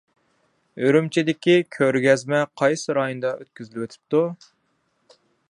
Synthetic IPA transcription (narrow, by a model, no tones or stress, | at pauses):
øɾymt͡ʃʰid̪ɪkʲikʲʰøɾɡʲɛzmɛqʰɑjsɨɾɑːjund̪ɑʔøt̪̚kʲyzylwøt̪ʰy̥p̚t̪u